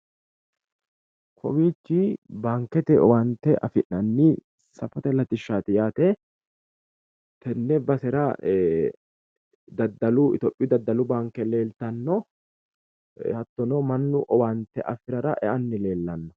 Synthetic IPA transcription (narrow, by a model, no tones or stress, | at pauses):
kʰɔwiːt͡ʃːɪbaːŋkːɛt̪ɛɔ̰want̪ːɛʔɐ̰fɪʔːɐnːɪ | sɐfɔt̪ɛlɐt̪ɪʃːaːt̪ɪjaːt̪ɛ | t̪ɛnːɛbɐsɛɾɐ | d̪ɐd̪ːɐlʊɪ̰t̪ɔpʼːɪd̪ɐd̪ːɐlʊbaːŋkːɛle̞ːlt̪ɐnːɔ | hɐt̪ːɔnɔmɐnːʊʔɔwant̪ːɛʔɐfɪɾɐɾɐʔɛ̰ʔɐnːɪle̞ːlːɐnːɔ